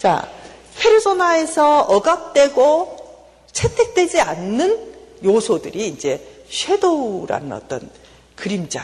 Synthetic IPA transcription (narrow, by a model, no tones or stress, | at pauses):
t͡ɕa̰ | pʰeɾɯsʰonae̞sʰʌʌɡap̚t͈we̞ɡo | t͡ɕʰetʰe̞k̚t͈wed͡ʑianːɯnjosʰodɯɾiːnd͡ʑe̞ɕʰwe̞doɾa̰nɯnʌ̰t͈ʌ̰n | kɯɾimd͡ʑa